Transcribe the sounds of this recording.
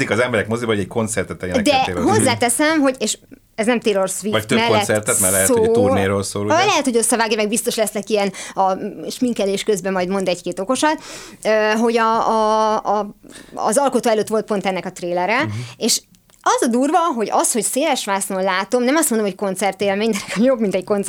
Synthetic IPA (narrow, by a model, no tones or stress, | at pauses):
ikɒzɛmbɛɾɛkmozibɒɦoɟɛckʰo̞nt̪sɛrt̪ɛt̪ːɛjɛnɛd̪ɛeːlɦo̞zzːaːt̪ɛsɛmɦo̞ɟeːʃ | ɛznɛmt̪eːlorsʋiømɛlːɛsɛrt̪ɛt̪mɛɾlɛɛtsoːuneɾoːlsoːlulɛɦɛt̪hojo̞sːɒvaːɡjɑmɛɡ̚bist̪o̞ʃlɛsnɛkijɛnɒʃmiŋkɛleːʃkøzbɛmɒjd̪mo̞nd̪ɛckeːt̪o̞ko̞ʃɒt̪ | øɦo̞ɟɒː | zɒlko̞t̪oːɛløːt̪ʋo̞lt̪̚po̞nt̪ɛnːɛkɒt̪reːlɛɾɛeʃ | ɒzɒd̪uːrvɒɦo̞ɟɒsho̞cseːlɛʃʋaːsnolaːt̪o̞mnɛmɒst̪mond̪omocko̞nt̪sɛrt̪eːlmeːɲd̪ɛɾɛkɒjobmint̪ɛcko̞ns